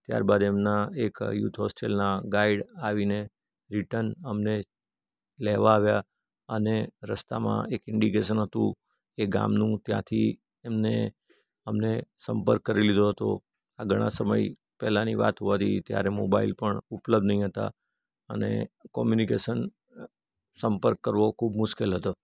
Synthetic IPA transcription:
t̪ja̰ɾbad̪emnaekjut̪ʰɦɔsʈelnaɡaiɖaʋine | ɾiʈəɾnəmne | lɛʋaːʋja | əneɾəst̪amã̰ekɪɳɖikeʃ̬ənɦət̪ṵ̃ | eɡa̰mnũt̪jã̰t̪ʰi | emne | əmnesəmpəɾkːəɾilid̪ʱoɦət̪o̰ | aɡʱəɽ̃a̰səməj | pɛɦlaniʋa̰t̪ɦuʋat̪ʰḭt̪ja̰ɾemobailpəɳupləb̚d̪nəɦĩɦət̪a̰ | ənḛkɔmjunikeʃən | səmpəɾkːəɾʋokʰubmʊʃkelɦət̪o

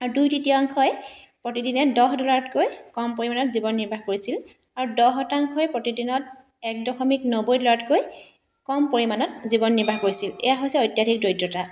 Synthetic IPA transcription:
aɹudujtitiaŋkʰɔj | pɹotidinɛdɔɦdɔlaɹɔtkojkɔmpoɹimanɔtzibɔnːiɹbʱaxkoɹisil | aɹudɔɦɔtaŋkʰɔjpɹotidinɔt | ɛk̚dɔxɔmiknobojdɔlaɹɔtkoj | kɔmpoɹimanɔt̚zibɔnːiɹbʱaxkoɹisilɛ̰jaɦojsɛojtjadʰʱikdɔjtːɔta

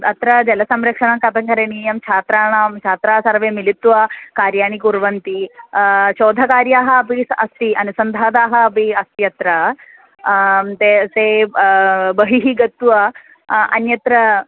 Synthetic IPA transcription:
ɐt̪ɾɐd͡ʒɐlɐsɐmɾɐkʂɐɳɐkɐt̪ɐŋkɐɾenijɐmt͡ʃʰaːt̪ɾaːɳaːmt͡ʃʰaːt̪ɾaːsɐɾʋeːmilit̪ːuʋakaːɾjaːɳ̃ikuɾʋɐnt̪i | ɕoːd̪ʱɐkaːɾjaːɦɐpisɐst̪iɐnisɐnd̪ʱaːd̪aːɦɐpiɐst̪iɐt̪ɾɐ | t̪ese | bɐɦiɦiɡɐt̪ːuʋɐ | ɐ̰njɐt̪ɾɐ

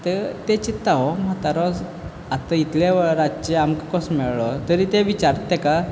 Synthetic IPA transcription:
t̪et̪et͡ɕit̪ːaɦɔmət̪aɾɔs | at̪ait̪leʋəɾat͡ɕeamkkɔsmɛɭɭɔt̪əɾiːt̪eʋit͡ɕaɾt̪ːeka

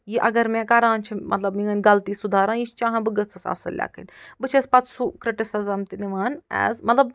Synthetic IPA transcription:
jiʔɐɡɐɾmẽːkɐɾãːnt͡ʃʰimɐ̰t̪lɐbmĩŋɐnʲɡɐlt̪iːsud̪ʱaːɾãːjit͡ʃʰt͡ʃãːɦɐ̃bɨɡɐt͡sʰɐsa̰ːsɐ̰lʲːa̰ːkɐ̰nʲbɨt͡ʃʰɐspɐt̪sukɾɪʈɪsɪzɐmt̪iniʋaːnɛ̰ːzmɐt̪lɐb

